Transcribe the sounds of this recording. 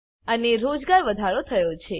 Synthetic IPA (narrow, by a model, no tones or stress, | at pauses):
əneɾod͡ʒɡaɾʋəd̪ʱaɾot̪ʰəjot͡ʃʰe